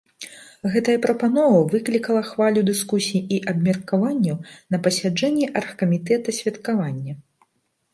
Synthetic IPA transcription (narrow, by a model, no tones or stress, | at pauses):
ɣɛt̪ɐjɐpɾɐpanɔvɐvɨklʲikɐlˠɐxvalʲud̪ɨskusʲijiʔiʔɐbmʲɐrkavanʲːɐwnɐpɐsʲad͡ʐɛnʲːiʔɐrxkɐmʲit̪ɛt̪ɐsʲvʲɐt̪kavanʲːɐ